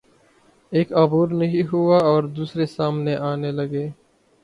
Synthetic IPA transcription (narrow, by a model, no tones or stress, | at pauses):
eːkaːbuːɾnɐɦĩɦuaɔːɾd̪uːsɾesaːmneʔaːnelɐɡeː